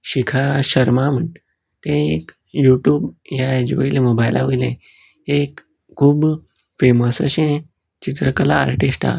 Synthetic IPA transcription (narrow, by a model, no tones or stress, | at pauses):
ɕikʰaɕəɾmaməɳ | t̪ẽek | juːʈjuːbjad͡ʑoilemobajlʔa̰ʋoilẽ | ekʰː | uːb | feməsəɕẽ | t͡ɕit̪ɾəkəla̰ːɾʈesʈa̰